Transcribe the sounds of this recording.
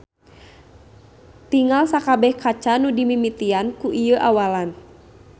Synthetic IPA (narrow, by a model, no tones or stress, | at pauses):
t̪iŋalsakabɛhkat͡ʃanudimimit̪iankuʔijəʔawalan